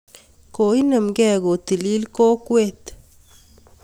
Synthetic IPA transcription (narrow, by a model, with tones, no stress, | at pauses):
ko˨i˦nə˨mɡɛ˨ɡo˨t̪i˨li˦lko˦kwe˦t̪